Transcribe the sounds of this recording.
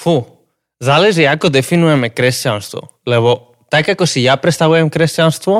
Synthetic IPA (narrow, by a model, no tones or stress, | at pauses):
fu | zalɛʒiakɔd̪ɛfinujɛmɛkɾɛscanst̪vɔ̰lɛβɔ | t̪akakɔsijapɾɛst̪avujɛmkɾɛscanst̪vɔ